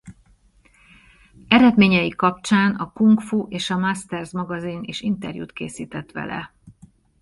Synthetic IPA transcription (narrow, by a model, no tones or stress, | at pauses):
ɛɾɛd̪meːɲɛjikɒp̚t͡ʃaːnɒkuŋkfuʔeːʃɒmast̪ɛrzmɒɡɒzineːʃint̪ɛ̰rjṵːt̪kḛːsiːt̪ɛt̪ʋɛ̰lɛ̰